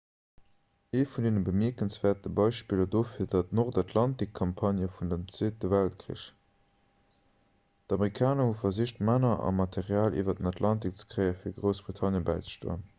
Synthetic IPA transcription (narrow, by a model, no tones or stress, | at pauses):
eːfundeːnəbəmiɐkənsv̥ɛːɐtəbɑɪʃpiːlɐdoːfiːɐdɑtnoʁdɑtʰlɑntikʰːɑmpʰɑnjəfundəmt͡seːt̚dəvæltkʀḭʃ | d̥ɑmeʁikʰaːnɐhufɐziʃtmænɐʔɑ̰mɑtʰeʁjaːlʔḭːvɐdənɑtʰlɑntik̚t͡sə̥kʁɜɪəfiːɐɡʁoʊsb̥ʁitʰɑnjəbæɪt͡sə̥ʃto̰ːən